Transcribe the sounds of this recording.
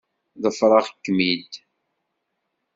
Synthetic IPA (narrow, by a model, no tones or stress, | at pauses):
ðəfɾˤɑʁkːmid̪